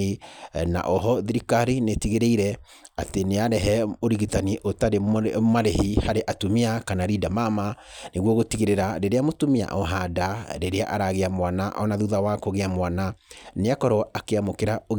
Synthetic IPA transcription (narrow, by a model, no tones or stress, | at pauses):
ina̰ʔɔɦɔðiɾikaɾinetiɣeɾeiɾɛ | ateneaɾɛɦɛoɾiɣitaniʔotaɾemaɾehihaɾeʔatumiakanaɾidamamaneɣwɔɣotiɣeɾeɾaɾeɾeamotumia̰ʔɔɦadaɾeɾea̰ʔaɾaɣeamwanaʔɔnaðuðawakoɣeamwananeakɔɾɔakeamokeɾao